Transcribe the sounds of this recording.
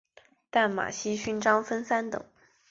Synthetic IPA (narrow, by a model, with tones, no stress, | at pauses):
t̪a˥˩nma̰˨˩ɕi˥ɕy˥nʈ͡ʂɑ˥ŋfə˥nsa˥nt̪ɤ̰˨˩˦ŋ